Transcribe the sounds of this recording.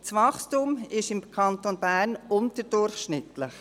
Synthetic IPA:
t͡sʋɑχstumɪʃɪmkʰɑnt̪onb̥æːɾnʊntəd̥ʊɾχʃnɪtlɪχ

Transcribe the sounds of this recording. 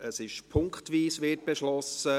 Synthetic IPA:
əsɪʃpʰʊŋktʋiːsʋɪt̚b̥ɛʃlɔsə

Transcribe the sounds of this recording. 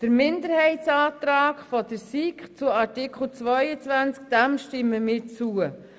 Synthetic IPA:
d̥əɾmɪndəɾhɛɪtt͡sɑːtɾaːkfɔd̥əɾsiːkχt͡sʊɑɾtɪkʰχl̩t͡svœʏət͡svænt͡sk̚d̥ɛmʃtɪmːəmɪːt͡suə

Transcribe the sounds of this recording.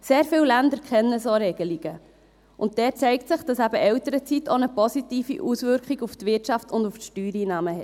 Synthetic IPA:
seːɾfɪllændəɾkʰχɛnːəsoɾɛɡ̥əliɡ̥ə | ʔʊnt̚d̥ɛːt͡sɛɪktsɪχd̥ɑsæbəʔɛwt̪əɾət͡sitʰonəpɔsitiːfḭʔusvʏɾkχiɡuft̪vʋɪtʃɑftʊndufʃtyːɾiːnɑːməɦɛt

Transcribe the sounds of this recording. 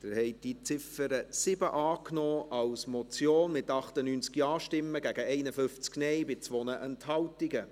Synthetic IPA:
d̥̪ɪɾhɛɪd̥it͡sɪfəɾəsɪbəʔɑːknoːɑwsmɔt͡sjoːnmɪtɑχtənyːnt͡skiɑːʃtɪmːəɡæɡəɛɪnəfʏft͡sknɛɪbɪt͡sʋoːnəʔɛnthɑltɪɡə

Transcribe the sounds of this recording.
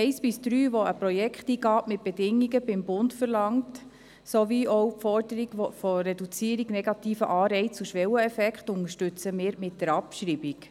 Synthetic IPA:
ɛɪsb̥ɪsd̥ɾyːʋoəpɾojɛkχtiːɡɑːtmɪt̚b̥edɪŋːiɡəbɪmbʊntfəɾlɑŋt | soʋiɔwpfɔrdəɾiɡ̥fɔɾɛdut͡siəɾiɡnɛɡɑtiːfəʔɑːɾɛɪt͡suʃʋɛwəɛfɛkχtʊŋəʃtʉt͡səmɪːɾmɪt̚dɛɾɑpʃɾiːbik

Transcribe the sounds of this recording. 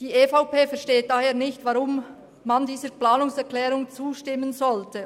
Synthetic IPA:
d̥iːʔeːfaʊpeːfɛɐʃteːt̚d̥aheːɐnɪçtvaʁʊm | mandiːzəplaːnʊŋsɛʁklɛːɾʊŋt͡suːʃtɪmːənzɔltʰə

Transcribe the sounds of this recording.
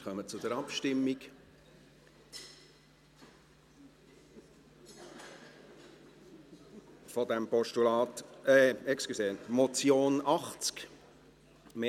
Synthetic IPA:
χœmət͡sʊdəɾɑpʃtɪmːik | fɔd̪ɛmpɔʃtulɑːt̪ɛɛkskiseːnmɔt͡sjoːnɑχt͡sk | me

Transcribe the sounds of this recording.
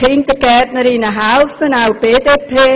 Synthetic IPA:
ɪntəɾɡɛtnəɾinəɦɛlfənawb̥eːdeːpʰeː

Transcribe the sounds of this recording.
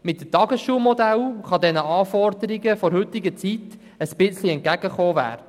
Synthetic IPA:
mɪt̚ːətɑɡəsʃuːlmɔd̪ælχɑd̪ɛnəɑːfɔɾd̪əɾiɡəfɔɾhɵt̪ɪɡət͡sit | əspɪt͡sliɛnt̚kæɡ̥əχoːvæ̰ːɾə

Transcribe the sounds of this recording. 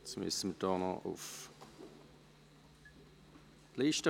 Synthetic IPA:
t͡smɪ̰səməd̥ɔːnɔ̰ʔṵf | liːʃtə

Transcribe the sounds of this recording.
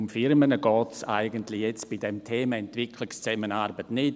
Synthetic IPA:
ʊmfɪɾmənəɡɔːtsa̰ɪɡəntlɪjɛt͡sb̥idɛmtʰeːməɛntv̥ɪkʰlɪkst͡sɛmənaɾbətnɪt

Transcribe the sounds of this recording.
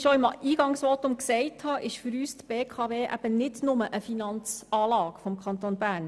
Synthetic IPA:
ʃɔɪmiːɡ̥ɑŋsʋɔt̪ʊmksɛɪthɑʔɪʃfʏɾyːst̪b̥eːkʰɑʋeːʔæ̰b̥ənɪdnʊməʔəfinɑnt͡sɑːlɑːkfɔmkʰɑnt̪onbæːɾn

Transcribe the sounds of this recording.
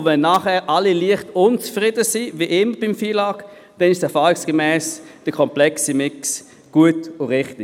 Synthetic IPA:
vɛnːaːχɛːʔɑliliəχtʊnt͡sfʁɪdəsiviʔɪməb̥ɪmfiːlɑːk | d̥ɛnɪʃsɛʁfɑːʁɪksɡ̥əmɛːsd̥əkʰɔmplɛksimɪks | ɡ̥uətʊʁɪχtɪ

